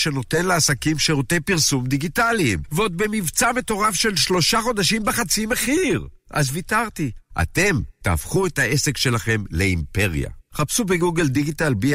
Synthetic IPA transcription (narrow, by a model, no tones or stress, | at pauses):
ʃe̞no̞t̪enleasakimʃeʁot̪epiʁsumd̪iɡitalimveo̞d̪̚be̞mivt͡same̞t̪o̞ʁafʃe̞lʃlo̞ʃaχo̞d̪aʃimbeχat͡sime̞χiʁ | ʔazvit̪aʁt̪iʔa̰t̪e̞mt̪aːfχuetaʔese̞kʃe̞laχe̞mleimpe̞ʁija̰χapsubeɡuɡeld̪iɡit̪albi